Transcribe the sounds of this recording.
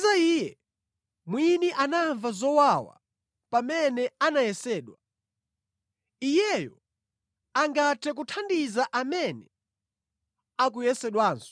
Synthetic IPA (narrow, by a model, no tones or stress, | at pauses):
zaiːjɛ | mwiniʔanaɱvazɔwawa̰ | pamɛnɛanajɛsɛːɗwa | ijɛjɔ | aŋɡatʰɛk̬utʰandizaʔamɛnɛ | ak̬ujɛsɛɗwaːnsɔ̥